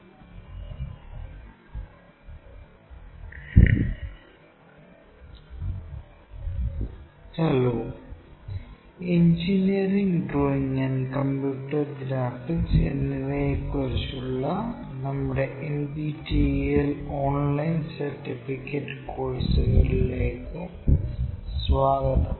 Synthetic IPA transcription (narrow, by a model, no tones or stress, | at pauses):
hɐloː | eɲd͡ʑiniɐɾiŋɡɖroːiŋɐnkɐmpjuːʈːɐɾɡɾaːfʈːisḛnːiʋekːoɾsuɭːɐ | nɐmːuɽeʔendiʈieloːnlɐjnsɐɾʈːifikːeʈkoːɻsɐɣɐɭileːkːɨ | sʋaːɡɐt̪ɐ